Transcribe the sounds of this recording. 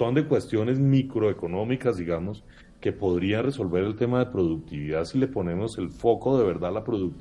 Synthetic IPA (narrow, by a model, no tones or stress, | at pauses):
ond̪ekwe̞st̪jo̞ne̞zmikɾo̞eko̞no̞mikazd̪iɣamo̞s | ke̞po̞ðɾianre̞so̞lbe̞ɾe̞lt̪e̞maðe̞pɾo̞ðuk̚t̪iβiðaðsile̞po̞ne̞mo̞se̞lfo̞ko̞ðe̞β̞e̞ɾd̪alapɾoðuk̚t̪